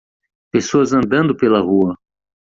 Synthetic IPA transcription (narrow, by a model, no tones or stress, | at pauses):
pesoɐzɐ̃nd̪ɐ̃nd̪ʊpelɐhuɐ